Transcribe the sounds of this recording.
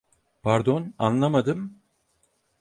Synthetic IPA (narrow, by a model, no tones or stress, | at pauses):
pʰaɾd̪o̞na̰nlˠamad̪ɯm